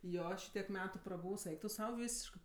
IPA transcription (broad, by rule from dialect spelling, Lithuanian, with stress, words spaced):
ˈjoː ˈʃʲiːtʲiɛk ˈmʲæːtʊ prɐˈbuːws ˈɛɪk tʊ ˈsɐʊ ˈʋʲiːsʲɪʃkɜ